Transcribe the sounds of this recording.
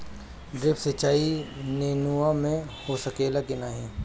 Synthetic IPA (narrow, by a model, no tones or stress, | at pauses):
ɖɾɪpsɐt͡ʃaːineːnuamẽ | hosɐkeːlakɪnaːɦẽ